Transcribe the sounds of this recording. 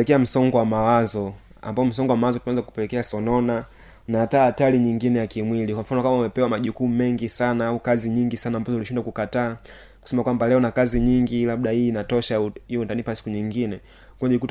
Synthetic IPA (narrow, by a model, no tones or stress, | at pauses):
ɛkɛam̩sɔŋɡɔwamawazɔ | a̰mbaɔm̩sɔŋɡɔwamawazɔpanzaku̥pɛlɛkɛasɔnɔna | naːtaːtaliɲiŋɡinɛjakimwilikwam̩fanɔkamaumɛpɛwamaʄukumɛŋɡisanaaukaziɲiŋɡisanaːmbazɔuliʃindwakukataː | ku̥sɛmakwambalɛɔnakaziɲiŋɡilaɓɗahiːnatɔʃaiɔndanipasi̥kuɲiŋɡinɛ | kaʄikut